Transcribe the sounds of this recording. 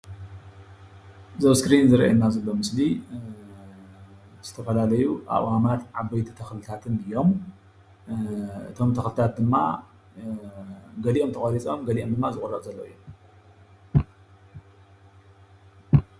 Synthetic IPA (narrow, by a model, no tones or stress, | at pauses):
zɐβskɾinzɨɾɐʔa̰nːazɐlːo̞mɨsli | z̥ɨt̪ʰɐfɐlalɐjuʔa̰ʔwamat̪ʕabɐjt̪ʰi̥t̪ʰɐxlɨt̪ʰat̪ʰɨnɨjo̞m | ʔɨ̰t̪ʰo̞mt̪ʰɐxlɨt̪ʰat̪̚d̪ɨmːa̰ | ɡɐliʔo̞mt̪ʰɐxʼoɾit͡sʼo̞mɡɐliʔo̞md̪ɨmːazɨkʼurːɐʔʼzɐlːo̰ʔɨ̰jːo